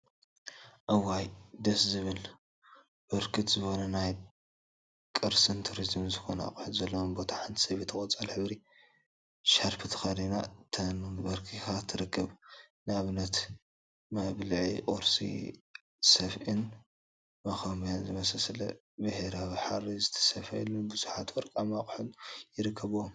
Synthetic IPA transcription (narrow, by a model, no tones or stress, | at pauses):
ʔɐwajd̪ɐszɨβɨl | bɨɾkʰɨt̪zɨxo̞nɐnaj | kʼɨɾsɨnt̪ʰuɾizmzɨxo̞nɐa̰kʼħɨt̪zɐlːɐwnbo̞t̪ʰaħant̪ʰi̥sɐβit̪ʰɨkʼot͡sʼalħɨβɾi | ʃaɾpʰɨt̪ʰɨ̥xɐɾina̰t̪ʰɐnunbɐɾkʰixat̪ʰɨɾɨkʰːɨβnɨaβɨnɐt̪ | mɐβlɨʕikʼoɾsḭ | sɐfʔḭn | mɐxɐmijanzɨmɐsɐslɐ̰ | bɨheɾawiħarizɨt̪ʰɐ̥sɐfɐjḭlunbuzuħat̪wɔɾkʼamakʼħɨnjɪɾɨkʰːɐβom